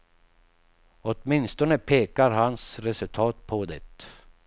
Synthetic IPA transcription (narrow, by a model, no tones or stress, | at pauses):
ɔt̪mɪnst̪ɔnəpʰeːkaɾɦansɾɛsɵlt̪ʰɑːt̪̚pʰɔd̪ɛt̪